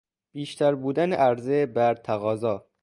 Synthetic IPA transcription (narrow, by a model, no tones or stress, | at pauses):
b̥iːʃt̪ʰæɾbuːd̪æneʔæɾzebæɾt̪ʰæɣɒːzɒː